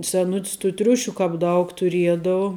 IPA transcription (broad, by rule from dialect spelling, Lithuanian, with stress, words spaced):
sʲɛˈnʊtʲs tuː ˈtʲrʲʊʃʲuː ˈkɑːp ˈdɐʊk tʊˈrʲiɛdɐʊ